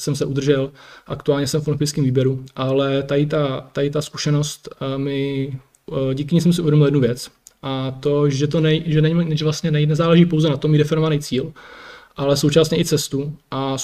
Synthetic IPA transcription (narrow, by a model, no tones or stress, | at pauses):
sɛmsɛʔud̪r̩ʒɛlʔakt̪uaːlɲɛsɛmfonpɪskiːmviːbjɛɾuʔalɛt̪ajɪt̪at̪ajɪt̪asku̥ʃɛno̞st̪mɪ | ɟiːkɪɲiːsɛms̬ɪʔuvjɛdomɪljɛd̪nuvjɛt͡sʔat̪oʒɛt̪onɛʒɛnɛʒɛvlast̪ɲɛnɛnɛzaːlɛʒiːpowzɛnat̪omiːdɛfɪnovanɛjt͡siːlʔalɛso̞wt͡ʃasɲɛʔɪt͡sɛst̪uʔa